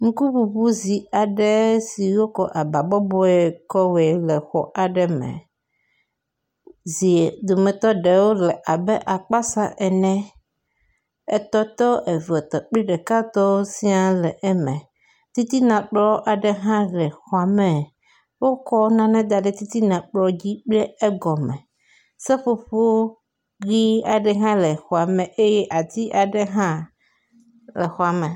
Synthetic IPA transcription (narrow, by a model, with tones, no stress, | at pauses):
ŋũ˦ku˦bu˨bu˦zi˨a˨ɖɛ˦si˨wo˦kɔ˨ʔa˨ba˨bɔ˦bɔ˦ɛ˦˨kɔ˦wɛ˨lɛ˨xɔ̰˨ʔa˨ɖɛ˦mɛ̰̃˨ | zi˨e˨d̪o˨mɛ̃˨t̪ɔ˦ɖe˨wo˦lɛ˨ʔa˨bɛ˦ʔa˨k͡pa˦sa˦ʔɛ˨nɛ̃˦ | e˨t̪ɔ˦t̪ɔ˦ʔe˨vi˨ɔ˨t̪ɔ˨k͡pli˦ɖɛ˨ka˦t̪ɔ˦wo˦si˦a˨lɛ˨ʔɛ˦mɛ̃˨ | t̪i˦t̪i˦nã˨k͡plɔ˦ʔa˨ɖe˨ɦã˦lɛ˨xɔ˨a˨mɛ̃˨ | wo˦kɔ˦nã˦nɛ̃˦d̪a˨ɖe˦t̪i˦t̪i˦nã˨k͡plɔ˦d͡ʑi˦k͡pe˦e˦ɡɔ˨mɛ̃˨ | se˦ɸo˦ɸo˦ | ɡi˦a˨ɖe˨ɦã˦le˨xɔ˨a˨mẽ˨ʔe˦je˦ʔa˨t̪i˦ʔa˨ɖe˦ɦã˦ | le˨xɔ˨a˨mẽ˨